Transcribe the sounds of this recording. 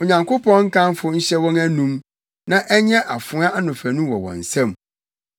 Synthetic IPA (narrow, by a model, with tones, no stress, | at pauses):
o˨ɲã˨ŋkʰo˦pʰɔ̃˦ŋ̩˦kʰã˦nfʊ˦ɲ̩˦ɕɛ˦wɔ̃˦næ˦nũ˦m | nã˦ʔɛ˦ɲ˦ɛ̃˦ʔa˨fʊ˨˦a˦ʔa˦nʊ̃˨fæ˨nũ˦wɔ˨wɔ̰̃˨n̩˨sã˦˨m